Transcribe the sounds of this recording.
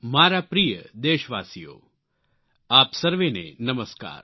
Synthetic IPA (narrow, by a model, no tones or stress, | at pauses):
maːɾapɾijəd̪eːʃʋaːsijo̰ː | aːpsɐɾʋenḛnəməska̰ːɾ